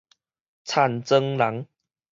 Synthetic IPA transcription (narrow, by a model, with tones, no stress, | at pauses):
t͡sʰa˥˧˨nt͡sə˧ŋla˨˦ŋ